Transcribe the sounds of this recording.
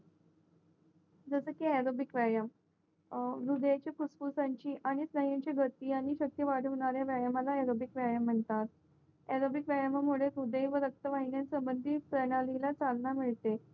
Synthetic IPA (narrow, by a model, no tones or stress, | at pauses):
d͡zəsəkiɛɾobikʋajəm | ɾud̪jat͡ɕjakuspusaɲt͡ɕiːʔaɽ̃isnəɦjaɲt͡ɕeɡʱət̪iːaɽ̃iɕək̚t̪jəʋaɽ̤ɦoɳ̃aɾjaʋjajəmalaɛɾobikʋajəm̤ːəɳt̪at̪̚ | ɛɾobikʋajamamuɭ̤eɾud̪ejʋəɾək̚t̪əʋaɦinjansəmbənd̪ʱipɾənalilat͡salnamiɭt̪e